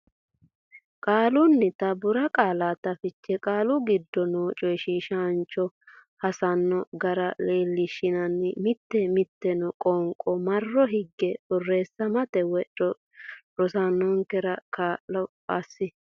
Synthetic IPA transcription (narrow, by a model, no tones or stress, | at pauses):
kʼaːlʊnːɪt̪ɐbʊɾɐkʼaːlaːt̪ːɐfɪt͡ʃːɛkʼaːlʊɡɪd̪ːɔnoːt͡ʃʼɔjʃiːʃant͡ʃʼːɔ | hɐsɐnːɔɡɐɾɐleːlːɪʃːɪnɐnːɪmɪt̪ːɛmɪt̪ːɛnɔkʼɔŋkʼɔmɐrːɔɦɪɡːɛbɔrːeːsːɐmɐt̪ɛwɛɔ | ɾɔsanːɔŋkɛɾɐkaːɔpʼasːɪ